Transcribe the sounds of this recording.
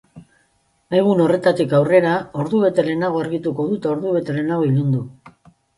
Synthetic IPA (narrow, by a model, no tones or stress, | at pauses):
eɣuno̞re̞t̪at̪ikawre̞ɾao̞ɾðuβe̞t̪e̞ɾe̞naɣ̞o̞aɾɣit̪uko̞ðut̪ao̞ɾðuβe̞t̪e̞ɾe̞naɣo̞ilund̪u